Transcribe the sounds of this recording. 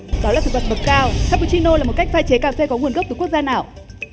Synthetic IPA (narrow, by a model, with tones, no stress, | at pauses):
ɗɔ˨˦laː˨˩sɨ̰˨˧˨va˨˩və˨˩t̚kaː˧wxaː˧˥pu˧˩t͡ɕi˧no˧laː˨˩mo˨˩t̚ka˦˥jk̚faː˧jt͡ɕe˨˦kaː˨˩se˧kɔ˨˦ŋu˨˩ənɣp̚t̪ɨ˨˩ku˦˥ək̚zaː˧naː˨˩w